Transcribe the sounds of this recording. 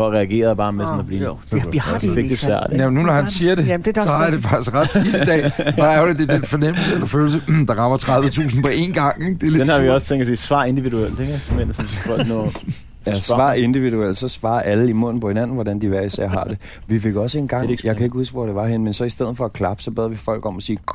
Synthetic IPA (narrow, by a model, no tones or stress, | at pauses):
ɒʁɛæɡ̥e̝̰ːɐðˠb̥ɑ̈ːmesɔnɐb̥liː | hfe̥d̥esæɐ̰dijæmnːunɒhænsiːɐd̥e̝ɑd̥e̝fɑ̈ɡ̥isɡ̥ʁɑ̈d̥silid̥ɛ̰ːɑ̈ʊled̥ed̥enfɒ̽nem̰l̩səelɐføːl̩səd̥ɑ̈ʁɑ̈mɐt͡sʰʁɑ̈ðˠʋət͡sʰṵːsn̩pʰɒ̽e̝ːnɡ̥ɑ̈ŋ̰eɡ̥d̥eledenhɑ̈ʋiɒst͡sʰeŋɡd̥sḭːsʋɑ̰̈ːe̝nd̥iʋiduel̰d̥eɡ̥smensɔnbʰɔ̰̥nɔː | jæsʋɑ̰̈ːe̝nd̥iʋiðuel̰d̥sɒ̽sʋɑ̰̈ːɐʔæləimɔ̽n̰n̩pʰɒ̽hinæn̰n̩ʋɒɾænd̥iʋæɐisɛ̰ɐɦɑ̰̈d̥e̝ | ʋife̝ɡ̥ɒ̽səe̝ːnɡ̥ɑ̥̈jɑ̈ɪŋkʰæe̝ɡ̥husʋɒd̥e̝ʋɑ̈ɦenəmensɒ̽isd̥eð̞̰̩ˠfɒ̽kʰlɑ̈b̥ə̥sɒ̽b̥ɛ̰ːðˠʋifɒ̽l̰ɡ̥ɒ̽mɒsiː